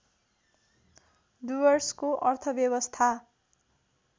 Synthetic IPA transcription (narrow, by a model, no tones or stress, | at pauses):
d̪ubʌrskoʔʌrt̪ʰʌbjʌbʌst̪ʰa